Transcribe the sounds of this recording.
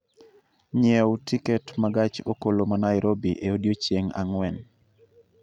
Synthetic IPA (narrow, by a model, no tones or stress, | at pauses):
ɲɛwtikɛtmaɡat͡ʃokolomanaɪɾobiʔeodjot͡ʃjeŋa̰ŋwɛn